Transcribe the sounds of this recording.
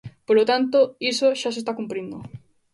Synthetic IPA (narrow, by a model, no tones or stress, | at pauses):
polot̪ant̪oisoʃas̬est̪akumpɾind̪ʊ̰